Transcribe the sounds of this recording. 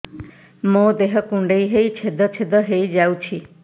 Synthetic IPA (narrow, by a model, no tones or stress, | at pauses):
mõd̪eɦɔkũɳɖeiɦejt͡ʃʰed̪ɔt͡ʃʰed̪ɔɦejd͡ʒawt͡ʃʰi